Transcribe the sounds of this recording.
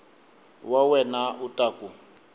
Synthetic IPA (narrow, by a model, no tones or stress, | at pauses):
wawɛnautʼaku